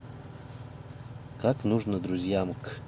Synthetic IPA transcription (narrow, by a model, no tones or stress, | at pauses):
kʰaknuʐnəd̪ɾuzʲjamk